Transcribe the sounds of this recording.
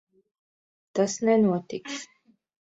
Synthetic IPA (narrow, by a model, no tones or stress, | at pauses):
t̪asnɛnuɔt̪iks